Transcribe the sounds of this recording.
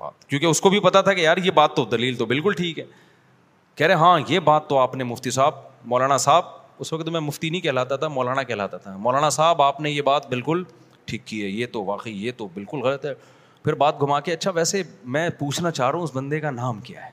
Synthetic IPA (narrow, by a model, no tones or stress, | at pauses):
ba̰ːt̪kjõːkeʊskobʱipɐt̪at̪ʰakejaːɾjebaːt̪ːod̪ɐliːlt̪obɪlkʊlʈʰiːkɦɛː | kɛːɾẽɦãːjebaːt̪ːoaːpnemʊft̪isaːb̚mɔːlaːnasaːb̚ | ʊsʋɐkt̪mɛ̃mʊft̪inɐĩkɛɦlaːt̪at̪ʰamɔːlaːnakɛːla̰ːt̪at̪ʰamɔːlaːnasaːbaːpnejebaːt̪bɪlkʊl | ʈʰiːkːiɦɛːjet̪oʋaːqəijet̪obɪlkʊlɣɐlət̪ɦɛː | pʰɪɾbaːt̪̚ɡʱʊmaːkeɐtːʃʰaʋɛːsemɛ̃ːpuːt͡ʃʰnat͡ʃaːɦɾɐɦũʊsbɐ̃nd̪ekanaːmkija̰ɦɛː